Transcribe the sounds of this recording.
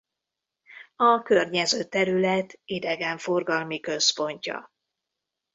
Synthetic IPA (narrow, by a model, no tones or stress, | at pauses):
ɒkørɲɛzøːt̪ːɛɾylɛt̪id̪ɛɡɛɱfo̞rɡɒlmikø̞spo̞ɲcɒ̰